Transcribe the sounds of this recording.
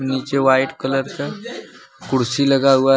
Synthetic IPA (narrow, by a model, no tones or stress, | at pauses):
niːt͡ʃeʋaːɪʈkələɾke | kʊɽsiləɡaɦua